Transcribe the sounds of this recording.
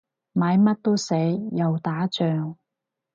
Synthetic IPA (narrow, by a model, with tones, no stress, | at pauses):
maː˨˥jmɐ˥t̚t̪o˥wse˨˥jːɐ˨wt̪aː˨˥t͡ʃœː˨ŋ